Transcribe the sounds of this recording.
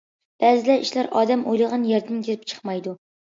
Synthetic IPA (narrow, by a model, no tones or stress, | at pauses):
b̥ɛːzɪlɛiʃlæɾɑːd̪ɛmʔo̰jlˠɨʁɑnjɛɾd̪ɪnɡʲeɾɪp̚t͡ʃʰə̥χmɑjd̪u